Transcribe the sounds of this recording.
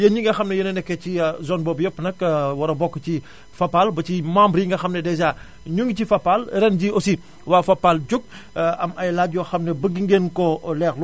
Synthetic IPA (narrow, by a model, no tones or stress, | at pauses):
jɐɲiŋɡɐxɐmnɐjɐnɐnɛkːɛcizɔnbɔːbjɔpːnɐkwɐɾɐbɔkːəci | fɐpːalbɐt͡ʃimaːmbɾjiŋɡɐxɐmnɛdɛzaː | ɲuŋɡicifɐpːalɾɛnɟiosi | waːfɐpːalɟuk̚ | ɐmɐjlaɟjɔxɐmnɐbɐɡiŋɡenkɔlɛːxlu